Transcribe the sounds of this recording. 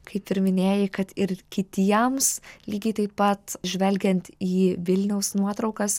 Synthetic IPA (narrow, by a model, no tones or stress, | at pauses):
kɐɪpɪɾmʲɪnʲeːjɪkɐt̪ɪɾkʲɪt̪ʲiɛmslʲiːɡʲɛɪt̪ɐɪppɐt̪ʒʲʋʲɛlʲɡʲɛnʲt̪iːʋʲɪlʲnʲɛʊsnuɔt̪ɾɐʊkɐs